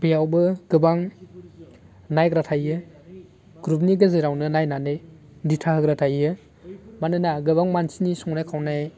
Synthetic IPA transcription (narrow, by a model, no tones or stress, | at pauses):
bijawbɯɡ̥ɯbaŋ | najɡɾatʰajɯ | ɡɾup̚niɡɯzɯɾawnɯnajnanɯj | ditʰaɦɯɡɾatʰajɯ | manɯnaɡɯbaŋmansinisɔŋnajkʰawnaj